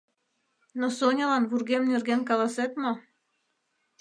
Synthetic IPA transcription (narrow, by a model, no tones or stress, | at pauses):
nosonʲɤlɑnβurɡemnyrɡenkɑlˠɑset̪mo